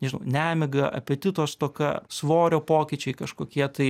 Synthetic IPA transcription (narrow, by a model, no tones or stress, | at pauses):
nʲɛʒʲɪnɐʊnʲæːmʲɪɡɐʔɐ̰pʲɛt̪ʲɪt̪oːst̪oːkɐ̰sʋoːɾʲoːpoːkʲɪt͡ʃʲɛɪkɐʃkoːkʲiɛt̪ɐɪ